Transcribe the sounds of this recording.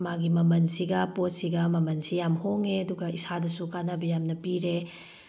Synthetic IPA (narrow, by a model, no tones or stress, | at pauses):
maɡimɐmɐnsiɡɐpot̚siɡɐmɐmɐnsijamhoŋeɐduɡɐisadɐsukanabɐjamnɐpiɾe